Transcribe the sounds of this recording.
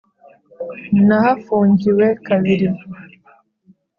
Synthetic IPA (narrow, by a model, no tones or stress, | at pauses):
naɦafuŋɡiwɛkawiɾi